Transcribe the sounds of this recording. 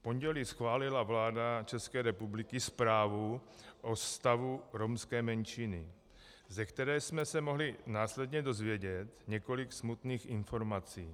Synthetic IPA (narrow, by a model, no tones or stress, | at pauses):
po̞ɲɟɛlisxvaːlɪlavlaːdat͡ʃɛskɛːɾɛpublɪkɪspɾaːvuʔost̪avuɾomskɛːmɛnt͡ʃinɪ | zɛkt̪ɛɾɛːsmɛsɛmo̞ɦlɪnaːslɛdɲɛdo̞zvjɛɟɛt̪ɲɛko̞lɪksmut̪niːxʔɪnfo̞ɾmat͡siː